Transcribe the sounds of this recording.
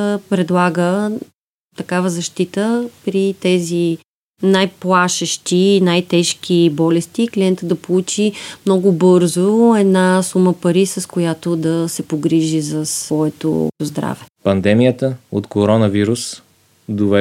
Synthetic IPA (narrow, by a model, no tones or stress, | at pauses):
pɾɛd̪lˠaɡə | t̪ɐkavəzɐʃt̪it̪əpɾit̪ɛzi | najplˠaʃəʃt̪inajt̪ɛʃk̟ibɔlɛst̪iːklʲiɛnt̪əd̪ɐpolˠut͡ʃimnɔɡʊbɤɾzoɛd̪nasuməpɐɾisɐskojat̪od̪ɐsɛpoɡɾiʒizɐsvɔɛt̪o̰zd̪ɾa̰vɛpɐnd̪ɛmijət̪əot̪koɾɔnəviɾus | d̪ovɛ